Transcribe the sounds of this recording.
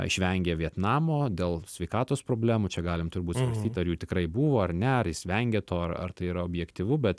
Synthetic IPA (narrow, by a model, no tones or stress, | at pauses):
ɪʃʲʋʲɛŋʲɡʲɛːʋʲiɛt̪nɑːmoːd̪ʲeːlˠsʲʋʲɛɪkɑːt̪oːspɾoːbʲlʲæːmut͡ʃʲɛɡɑːlʲɪmt̪ʊrbuːt̪sʋɐɾʲsʲt̪ʲiːt̪ʲɐɾjuːt̪ʲɪkɾɐɪbuːʋoːɐɾnʲɛɐɾjɪsʋʲɛŋʲɡʲeːt̪ʰoːɐrɐ̰rt̪ɐɪiːɾɐobʲjɛkt̪ʲiʋʊbʲɛt̪